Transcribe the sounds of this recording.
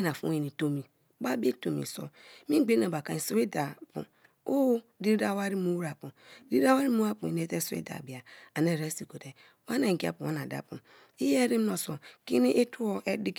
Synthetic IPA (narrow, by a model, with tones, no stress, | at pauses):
na˨fṵ˦i˨ni˨to˦mi˨ | ba˦bi˦to˨mḭ˨so̰˦mi˦ɡ͡be˦na˨ba˨ka˨i˨so˦we˦da˨pṵ˨ | o˦di˦da˦wa˦ɾi˦mu˦wɾa˨pu˨di˦a˦wa˦ɾi˦mu˦a˦pu˨i˨ne˦te˦so˦ḛ˦da̰˨bi˨a˨a˨ne˦˨ɾe˦si˨ko˨te˨ | wa˦na˨ɡi˦a̰˦˨pu˨a˦na˨da̰˨pṵ˨m | i˦je˦ɾi˦m˦no˨so˨ki˦ni˦ʔe˦tʰu˦o˦ʔe˦di˦k